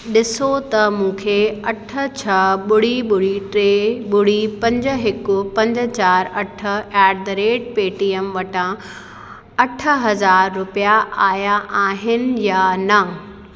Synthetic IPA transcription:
ɗɪsot̪ɐmũːkʰeɐʈʰə̆t͡ɕʰɐɓʊɽ̤iɓʊɽ̤iʈɾeːɓʊɽ̤ipɐ̃ɲd͡ʑə̆ɦɪkʊpɐ̃ɲd͡ʑ̆t͡ɕaːɾɐʈʰə̆ɛːɖd̪ɾeːʈ̚peːʈiːəmʋɐʈʰã | ɐʈʰə̆ɦɐzaːɾːʊpijaaːjaʔaːɦɪnɪ̆janɐ

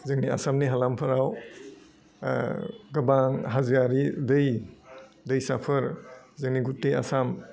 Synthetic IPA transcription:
zɯŋnia̰samniɦalampʰɐɾaw | ɡɐbaŋɦaziaɾidɯj | dɯjsapʰɯɾzɯŋniɡutːea̰sam

